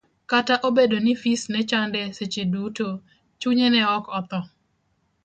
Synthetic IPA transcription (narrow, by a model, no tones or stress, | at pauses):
kataʔobedonifisnɛt͡ʃandɛset͡ʃeduto | t͡ʃuɲenɛɔkɔt̪ɔ